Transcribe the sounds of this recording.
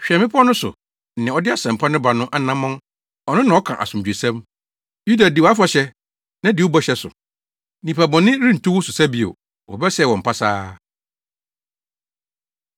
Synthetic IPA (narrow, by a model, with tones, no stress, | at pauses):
ɕᶣɛ˨mɪ̃˦pʰa˦nʊ̃˦sʊ̰˨ | n̩˨nɪ̃˨ɔ˨dɪ˦a˨sɛ̃˨m̩˨pʰa˦nɪ̃˦ba˨nʊ̃˦ʔa˦nã˦mːɔ̃˦n | ɔ˨nʊ̃˦nã˨ɔ˦kʰã˨ʔa̰˨sʊ̃˨m˨d͡ʑᶣe˨sɛ̃˦m | ju˦da˨dɪ˨wɔ˨a˦fa˨ɕɛ˦ | nã˦dɪ˨ɔ˦bɔ˦ɕɛ˦sʊ̰˨ | nĩ˨pʰa˨bɔ̃˨nːɪ̃˦ɾĩ˦n̩˨tʰũ˦wʊ˦sʊ˨sa˦bi˨o̰˨ | wɔ̰˨bɛ˦sɛ˦˨wɔ̃˨m̩˨pʰa˦sa̰ː˦